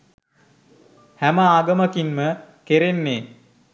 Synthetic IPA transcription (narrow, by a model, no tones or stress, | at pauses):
hæməaːɡəməkinməkeɾenːeː